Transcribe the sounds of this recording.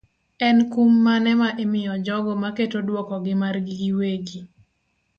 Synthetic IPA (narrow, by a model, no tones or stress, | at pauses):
ɛnkumːanɛmaʔemɪjɔd͡ʒɔɡɔmaketodwɔkɔɡɪmarɡiɡiweɡi